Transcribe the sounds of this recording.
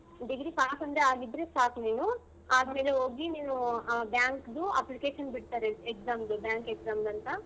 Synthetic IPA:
ɖiɡɾiːpaːkɐnd̪ɾeaːlib̪ɾesʈaːkneːnu | aːsmelooɡineːnubjaːŋkd̪uɐ̰plikeːʃɐnpiɽt̪aːɾeekzaːmd̪ubjaːŋkekzaːmlɐnt̪a

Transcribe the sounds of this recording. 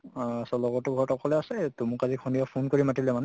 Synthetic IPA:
asɔlɔɡɔtʊɡʱɔɹɔtɔkʰɔlɛasɛtumukazikʰuniapʰunkoɹimatilɛmanɛ

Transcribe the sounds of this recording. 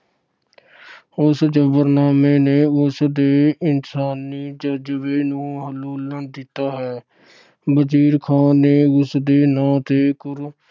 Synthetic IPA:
ʊsd͡ʒəbəɾnaːmeːneːʊsd̪eːɪnsaːniːd͡ʒəd͡ʒʋeːnũːɦəluːlənd̪ɪt̪aːɦɛː | bət͡ʃiːɾkʰaːnːeːʊsd̪eːnãːt̪eːkʊɾ

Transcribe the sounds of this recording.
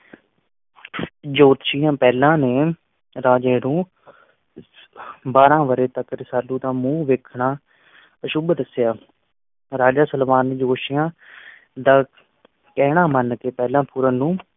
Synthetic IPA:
d͡ʒoːt̪ʃɪjãːpɛːlãːneː | ɾaːd͡ʒeːɽũː | baːɾãːʋəɾeːt̪əkɾsaːlũːd̪aːmũːʋeːkʰɳaː | əʃʊbd̪əsɪjaː | ɾaːd͡ʒaːsəlʋaːnːeːd͡ʒoːʃɪjãː | d̪aː | kɛːɽãːmənkeːpɛːlãːpʊɾãːnũː

